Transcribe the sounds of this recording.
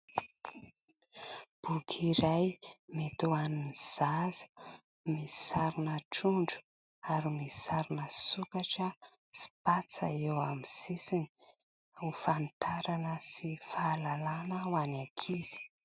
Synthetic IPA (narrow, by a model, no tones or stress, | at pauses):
b̥ukʰiɾajmet̪uaniniz̥azə̥ | misi̥saɾunəʈ͡ʂuɳɖ͡ʐu̥ | aɾimisi̥saɾunəsukaʈ͡ʂə | si̥pat͡sa̰ewamiz̥isini | ufant̪ʰaɾanəsifaːlalanəwanakʰiz̥i̥